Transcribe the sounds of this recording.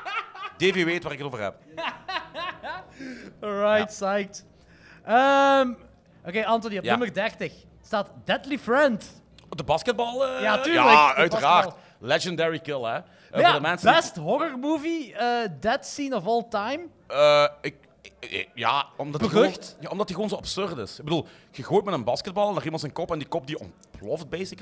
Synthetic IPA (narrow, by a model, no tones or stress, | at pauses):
d̥eːveʋeːtwaːɾɪkətoːvərɦɛ̰p̚ | ɹajtsajkt | əm | ʔokeːʔɑntɔniɔpnømbərdɛrtəx | staːtd̥ɛtlifɹɛnt | dəbɑskət̚bɑlˠːjaːtyːjaləœɥtəraːrt | lɛd͡ʒəndɛɹikɪlˠɛ | dəmɛnsbɛstɦɔɣərmuːviədɛtsinɔfɔlˠtajm | əɪk̚ | ja̰ɔmdbəøxtjaɔmdɑtiɣəʋoːnzoɑpsørtɪsɪɡ̚bəduːlˠ | ɣəɣoːjtmɛtənbɑskəd̚bɑlˠɛnaːrimɑntsənkɔpɛndikɔp̚diɔ̰m | plɔft̚beːsɪk